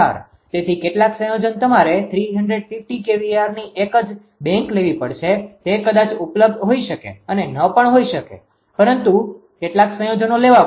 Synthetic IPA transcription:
a̰ɾ | t̪et̪ʰikeʈlaksə̃jod͡ʒənt̪əmaɾet̪ʰɾiɦəɳɖɾeɖfifʈikeʋiaɾniʔekəd͡ʒ | bɛ̃ŋkleʋipə̰ɽt͡ʃʰet̪ekəd̪at͡ʃupləb̚d̪ɦoiʃəkḛənenəpəɳɦoiʃəkḛ | pəɾənt̪u | keʈlaksə̃jod͡ʒənoleʋa

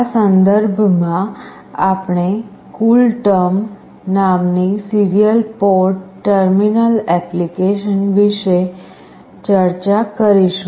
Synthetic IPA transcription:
asənd̪əɾbʱmã | apɳ̃e | kulʈəm | namnisiɾijəlpɔɾʈʈəɾminəlɛplikeʃənʋiʃe | t͡ʃəɾt͡ʃakəɾiʃ

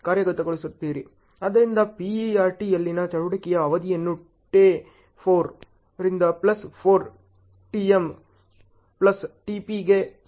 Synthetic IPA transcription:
kaːɾjɐɣɐt̪ːɐkːɐɭɯsɐt̪ːiɾi | ɐðɐɾɪnd̪apiaːɾʈiɛlːinat͡ʃɐɻɯɽɐkːɪjɐːʋɐðɪɛnːu | ʈːeː | foːɾ | ɾɪnd̪aplɐsfoːɾ | ʈiɛm | plɐsʈipiɡeː

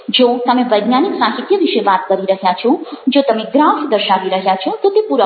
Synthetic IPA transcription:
d͡ʒot̪əmeʋəjɡnaniksaɦit̪jəʋiʃeʋat̪kəɾiɾəɦjat͡ʃʰɔd͡ʒot̪əmeɡɾafd̪əɾʃaʋiɾəɦjat͡ʃʰɔt̪ot̪epuɾə

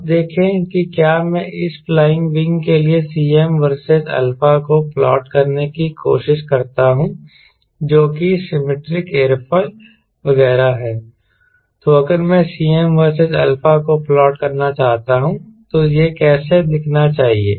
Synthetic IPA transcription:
bd̪eːkʰẽkikjaːmɛ̃ʔɪsflaːɪ̃ŋɡʋɪ̃ŋɡkeliesiːɛmʋɐɾsezɛ̰ːlfakoplɔ̰ːʈkɐɾnekikʰo̰ːʃɪʃkɐɾt̪aɦũ | d͡ʒoːkisɪmeʈɾɪkeːɾpʰəl | ʋɐɣɛːɾaɦɛː | t̪oɐkəɾmɛ̃siːɛmʋəɾsezɛ̰ːlfakoplɔːʈkɐɾnat͡ʃaːɦt̪aɦũt̪ojekɛːsed̪ɪkʰnat͡ʃaːɦiḛː

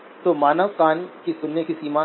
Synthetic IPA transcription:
t̪omaːnəʋkaːnkisʊnːekisiːma

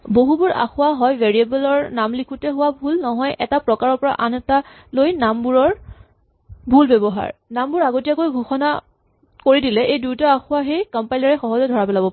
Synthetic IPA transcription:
boɦubuɹa̰xʊwaɦɔjvɛɹiebɛlɔɹnamlikʰutɛɦʊwabʱulnɔɦɔjʔɛtapɹɔkaɹɔɹpɔɹa̰ʔanɛta | lojnambuɹɔɹ | bʱulbɛbɔɦa̰ɹnambuɹaɡotijakojɡʱuxɔna | koɹidilɛʔejdujtaaxʊwaxejkɔmpajlaɹɛxɔɦɔzɛdʱɔɹapɛlabɔp

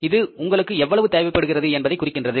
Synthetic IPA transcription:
ɪðɯʊŋɡɐɭɯkːɯɛʋːɐɭɐʋɯt̪eːʋɐɪpːɐɽɯɣɪrɐðɯɛnbɐðɐɪkːʊrɪkːɪndrɐðɯ

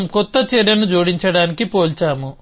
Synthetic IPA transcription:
mkɔt̪ːɐt͡ʃɛːɾjɐnud͡ʒoːɽiɲt͡ʃɐɽaːnikipo̞ːlt͡ʃaːmu

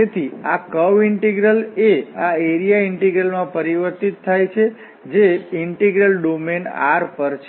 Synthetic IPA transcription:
et̪ʰiakəʋiɳʈeɡɾəleaeɾijaiɳʈeɡɾəlmãpəɾiʋəɾt̪it̪ʰːajt͡ʃʰe | d͡ʒeiɳʈeɡɾəlɖomena̰ɾpəɾt͡ʃʰ

